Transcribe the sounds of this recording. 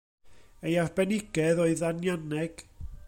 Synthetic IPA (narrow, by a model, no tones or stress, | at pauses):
ejarbɛnɪɡɛðoɨðanjanɛɡ̥